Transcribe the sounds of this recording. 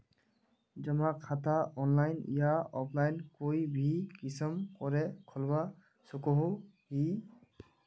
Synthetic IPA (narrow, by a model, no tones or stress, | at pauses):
zɔmakʰːataɔnlajn̰jaɔpʰlajnkojbʱikisɔmkɔɹɛkʰɔlba | sukɔɦu | hi